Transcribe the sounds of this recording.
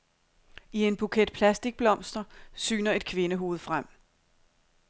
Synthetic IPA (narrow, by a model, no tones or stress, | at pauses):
ie̝nb̥ukʰed̥̚pʰlæsd̥iɡ̥̚b̥lɒ̽m̰sd̥ɐsy̰ːnɐe̝d̥̚kʰʋe̝nəɦo̝ːð̩ˠfʁam̰